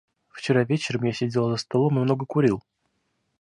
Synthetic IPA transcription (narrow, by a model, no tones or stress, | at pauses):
ft͡ɕɪɾavʲet͡ɕɪɾəmjasʲɪdʲelˠzəst̪ɐlˠo̞mɨmno̞ɡəkʊɾʲilˠ